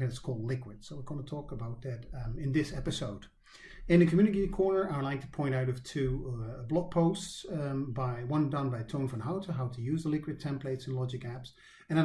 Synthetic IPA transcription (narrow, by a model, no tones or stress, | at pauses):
ɨ̃ɨtskʰɔlˠdˡlɪkwɨd̥soʊwɪɹɡõntʰɔkəbaʊt̪̚ðɨɾɨ̃nðɪsɛpɨsoʊd̥ | ɨ̃nðɨkʰmjʉ̃nɨkekʰɔɹnə˞aɪwədˡlaɪk̚tʰə̥pʰɔ̃ɪ̃ɾ̃taʊɾʌv̥tʰʉblɑk̚pʰoʊstsbaɪwʌ̃ndʌ̃nbaɪtʰõʊ̃nfə̃nɦaʊtʰəɦaʊɾʰɨjʉzðəlɪkwɨd̚tʰɛ̃mpleɪtsn̩lɑd͡ʒɨkæps | ɨ̃naɪ